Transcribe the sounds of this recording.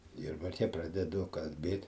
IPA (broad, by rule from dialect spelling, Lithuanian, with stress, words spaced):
ˈjʊrbɐrʲkʲɛ ˈprɑːdʲɛdʊ kɐlʲˈbʲeːt